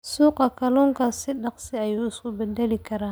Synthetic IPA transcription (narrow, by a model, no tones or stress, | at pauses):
suːqɑkʰɐlɔːŋkʰasɪɗɑqsɪɐjuːɪskʊbɛd̪ɛlɪkʰɐɾaːn